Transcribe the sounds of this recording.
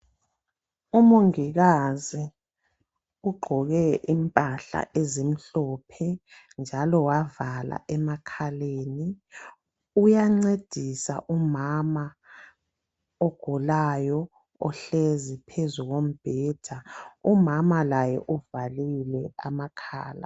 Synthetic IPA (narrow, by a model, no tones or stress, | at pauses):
umoŋiɣazi | uɡ͡ǃʱɔɣɛʔimpʼaɬa̰ʔezim̩ɬɔpʰɛ | nd͡ʒʱalɔwavala̰ʔɛmakʰaleːni | ujaŋ͡ǀed̥ʱisa̰ʔumama | ɔɡ̥ʱulajɔ | ɔɬezipʰezuɣom̩b̥ʱɛːd̥ʱaumamalajɛ̰ʔuvalilɛamakʰa̰ːla̰